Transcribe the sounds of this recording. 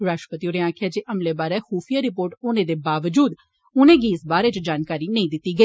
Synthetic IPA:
ɾaːʃʈəpət̪iːoːnẽːãːkʰjaːd͡ʒeːʔəmleːbaːɾɛːhuːpʰijaːɾɪpoːɾʈʊnẽːd̪eːbaːʋəd͡ʒuːd̪ | ʊnẽːɡiːɪsbaːɾeːt͡ʃd͡ʒaːnkaːɾiːnəĩːd̪ɪt̪ːiːɡəiː

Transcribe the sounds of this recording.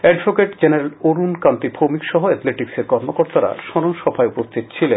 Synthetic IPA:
ɛɖbʱokeʈd͡ʑeneɾaloɾunkamt̪ibʰʱomikʃɔɦoɛt̪leʈikseɾkɔɾmokoɾt̪aɾa̰ʃɔɾonʃɔbʰʱaeupost̪ʰit̪̚t͡ɕʰile

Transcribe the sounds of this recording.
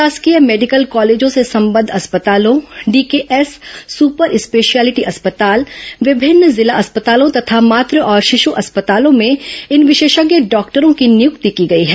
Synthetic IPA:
aːskijəmeːɖɪkəlkɔːleːd͡ʒõsesɐ̃mbə̃nd̪ʱɐspət̪aːlõɖiːkeːʔɛsːuːpəɾɪspeːʃiaːlɪʈiʔɐspət̪aːlʋɪbʱɪnːzɪlaʔɐspət̪aːlõt̪ɐt̪ʰamaːt̪ɾəʔɔːɾʃɪʃuʔɐspət̪aːlõmẽɪnʋɪʃeːʃəɡjəɖɔːkʈəɾõkinɪjʊkt̪ikiɡɐiɦɛː

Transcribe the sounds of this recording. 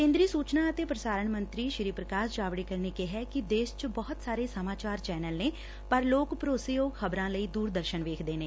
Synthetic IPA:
kẽːnd̪ɾiːsuːt͡ʃnaːət̪eːpɾəsaːɾəɳmənt̪ɾiːʃɪɾiːpɾəkaːsd͡ʒaːʋɽiːkəɾneːkeɦɛːkɪd̪eːst͡ʃbɔɦʊt̪saːɾeːsəmaːt͡ʃaːɾt͡ʃɛːnəlneː | pəɾloːkpɾoːseːoːkʰəbɾãːləiːd̪uːɾd̪əɾʃənʋeːkʰd̪eːneː

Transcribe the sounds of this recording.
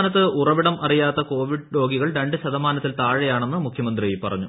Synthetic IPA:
nɐt̪ːɨurɐʋiɽɐmʔɐrijaːt̪ːɐko̞ːʋiɽɾo̞ːɡiɣɐɭɾe̞ɳɖɨɕɐðɐmaːnɐt̪ːilt̪aːɻɐjaːɳe̞nːɨmukʰjɐmɐnd̪rijipːɐrɐɲːu

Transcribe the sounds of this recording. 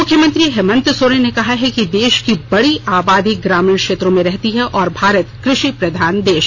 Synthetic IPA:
mʊkʰjəmɐ̃nt̪ɾiɦɛmə̃nt̪soːɽẽnekɐɦaɦɛkid̪eːʃkibɐɽiʔaːbaːd̪iɡɾaːmɪɳkʃeːt̪ɾõmẽɾɛɦt̪iɦɛʔɔːɾbʱaːɾət̪kɾɪʃipɾɐd̪ʱaːnd̪eːʃ

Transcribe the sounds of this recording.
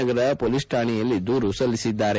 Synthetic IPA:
ɐɡɐɾɐpolisʈʰaːɳijɐlːid̪uːɾusɐlːisid̪ːaːɾe

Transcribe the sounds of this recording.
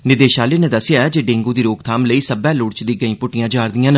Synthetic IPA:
nɪd̪eːʃaːleːnẽːd̪əsɪjaːɛd͡ʒeɖẽːŋɡuːd̪iːɾoːkt̪ʰaːmləiːsəbɛːlʊɽt͡ʃd̪iːɡəĩːpʊʈɪjãːd͡ʒaːɾd̪ɪjãːn

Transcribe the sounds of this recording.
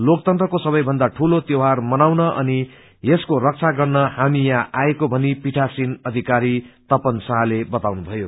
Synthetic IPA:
lok̚t̪ʌnt̪rʌkosʌbʌjbʱʌnd̪aʈʰulot̪jowɦarmʌnawnʌʔʌni | jeskorʌk̚t͡sʰaɡʌrnʌhamijãʔaekobʱʌnipiʈʰasinʌd̪ʱikaɾit̪ʌpʌnsãɦlebʌt̪awnubʱʌjo

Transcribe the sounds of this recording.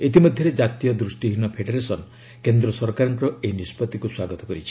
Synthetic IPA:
et̪imɔd̪ʱjɔɾed͡ʒat̪ijɔd̪ɾusʈiɦinɔpʰeɖeɾesɔn | kend̪ɾɔsɔɾkaɾɔŋkɾɔenispɔt̪ikuswaɡɔt̪ɔkɔɾit͡ʃʰi̥

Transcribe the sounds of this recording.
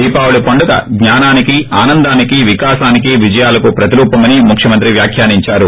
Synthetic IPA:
iːpaːwulupɐɳɖukɐ̰ɡɲaːnaːnikiaːnɐnd̪aːnikiʋikaːsaːnikiʋid͡ʒɐjaːlɐkupɾɐt̪iɾuːpɐmɐnimukʰʂjɐmɐnt̪ɾiʋjaːkʰjaːniɲt͡ʃaːɾu

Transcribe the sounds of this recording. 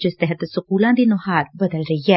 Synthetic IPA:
d͡ʒɪst̪ɛɦət̪sʊkuːlãːd̪iːnʊɦaːɾbɐd̪əlɾɐiɦɛː

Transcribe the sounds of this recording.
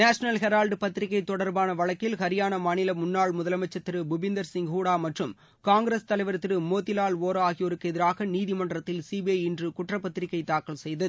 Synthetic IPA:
naːʂɐnɐlɦɛɾaːlɖɯpɐt̪ːɪɾɪkːɐɪt̪ɔɽɐɾbaːnɐʋɐɭɐkːɪlhɐɾɪjaːnɐmaːnɪlɐmʊnːaːɭmʊðɐlɐmɐt͡ʃːɐt̪ːɪɾɯbʊbɪnd̪ɐɾsɪŋɡɦuːɽaːmɐʈrɯm | kaːŋɡɾest̪ɐlɐɪʋɐɾt̪ːɪɾɯmoːt̪ːɪlaːloːɾɐaːɣɪjɔɾɯkːɛðɪɾaːɣɐniːðɪmɐɳɖrɐt̪ːɪlsiːbeɪndrɯkʊʈrɐpːɐt̪ːɪɾɪkːɐɪt̪aːkɐɭsɛjðɐðɯ

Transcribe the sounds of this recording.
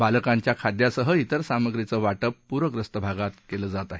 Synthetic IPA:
baləkaɲt͡ɕjakʰad̪jasəɦəit̪əɾsaməɡɾit͡səːʋaʈəpːuɾəkɾəst̪əbʱaɡat̪keləːd͡zat̪aɦe

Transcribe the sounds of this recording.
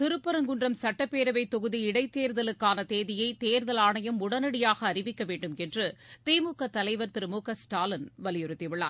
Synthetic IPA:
t̪ɪɾɯpːɐɾɐŋɡɯndrɐmsɐʈːɐpːeːɾɐʋɐɪt̪ːɔɣɯðiɪɽɐɪt̪ːeːɾðɐlɯkːaːnɐt̪eːðɪjɐɪt̪eːɾðɐlaːɳɐjɐmʊɽɐnɐɽɪjaːɣɐːrɪʋɪkːɐʋeːɳɖɯmɛndrɯt̪iːmukːɐt̪ːɐlɐɪʋɐɾt̪ɪɾɯmuːkɐsʈaːlɐnʋɐlɪjɔɾɯt̪ːɪʋɪɭːa̰ː

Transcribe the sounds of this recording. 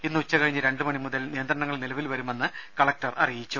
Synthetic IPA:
inːɨut͡ɕːɐkɐɻiɲːɨɾe̞ɳɖɨmɐɳimuðɐlnijɐnd̪ɾɐɳɐŋːɐɭnilɐʋilʋɐɾume̞nːɨkɐɭɐk̚ʈɐrɐrijit͡ɕːu

